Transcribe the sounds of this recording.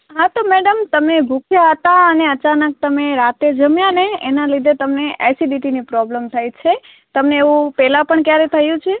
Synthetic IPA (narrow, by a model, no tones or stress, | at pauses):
ɦãt̪omɛɖəmt̪əmebʱukʰjaɦət̪aəneət͡ʃanək̚t̪əmeɾat̪ed͡ʒəmjaneenalid̪ʱet̪əmneʔḛsiɖiʈinipɾɔbləmt̪ʰajt͡ʃʰe | t̪əmneːʋũpɛlapəɳkjaɾet̪ʰəjũt͡ʃʰe